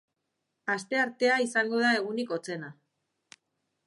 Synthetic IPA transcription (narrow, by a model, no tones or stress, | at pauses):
ast̪e̞aɾt̪e̞aisaŋɡo̞ð̞ae̞ɣ̞uniko̞t͡se̞na